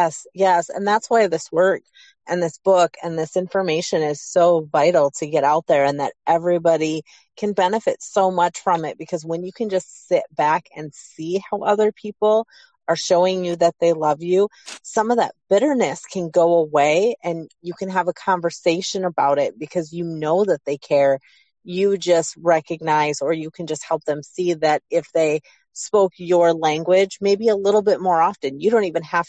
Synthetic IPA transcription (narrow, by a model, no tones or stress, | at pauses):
jɛsjɛsɨ̰̃nðætswaɪðɪswɜ˞k | ʔɨ̃nðɪsb̥ʊkɨ̃nðɪsɪ̃ɱfə˞meɪʃɨ̃nɪz̥soʊvaɪɾl̩ˠtʰɨɡɛɾaʊt̪̚ðə˞ɨ̃nðɨ̰ɾʔɛvɹibɑɾi | kʰɨ̃nbɛnɨfɨtsoʊmʌt͡ʃfɹʌ̃mɪt̚b̥ɨkʰʌzwə̃njɨkʰɨ̃nd͡ʒʌstsɪt̚b̥ækɨ̃nsihaʊʔʌðə˞pʰipl̩ˠ | ə˞ʃoʊɪ̃ŋjɨðɨt̪̚ðeɪlʌvjʉsʌ̃mʌvðɨ̰t̚b̥ɪɾə˞nɨskʰɨ̃nɡoʊəweɪʔɨ̃njɨkʰɨ̃nəvəkʰɑ̃ɱvə˞seɪʃɨ̃nəbaʊɾɪt̚b̥ɨkʰʌzjɨnoʊðɨt̪̚ðeɪkʰɛɹ | jɨd͡ʒʌst̚ɹɛkɨɡ̚naɪzə˞jɨkʰɨ̃nd͡ʒʌst̚hɛlˠp̚ðɨ̃msiðɨɾɪfðeɪ | spoʊkjə˞læ̃ŋɡwɪd͡ʒmeɪbiɨlɪɾl̩ˠbɪt̚mɔɹɑftɨ̃njɨɾõʊ̃ntivɨ̃nhæf